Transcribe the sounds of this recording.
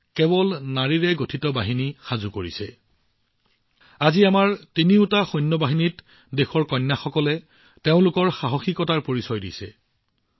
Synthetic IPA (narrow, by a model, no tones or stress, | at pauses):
kebɔlnaɹiɹɛɡotʰitɔbaɦinixazukoɹisɛ̰ | aziamaɹtiniʊtaxɔjnːɔbaɦinit | dexɔɹkɔjnːaxɔkɔlɛ | teʊ̃lʊkɔɹxaɦɔxikɔtaɹpoɹisɔjdḭsɛ̰